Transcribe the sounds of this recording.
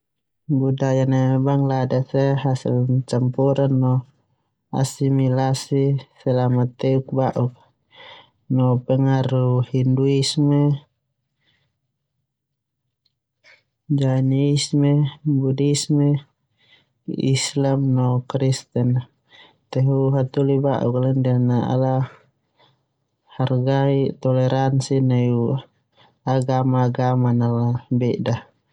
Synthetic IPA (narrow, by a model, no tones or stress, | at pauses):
budajanebaŋladasɛɦasḭlt͡ʃampuɾanːɔ | a̰similasisɛlamat̪ːɛuk̚baʔuk | nɔpɛŋaruhinduisme | d͡ʒaniismɛbudismɛ | ḭslamnɔkɾist̪ɛn | t̪ɛɦuɦat̪ulibaʔukalɛndanaa̰la | harɡaiʔt̪ɔlɛɾʔansinaju | aɡamaːɡamanalabɛʔda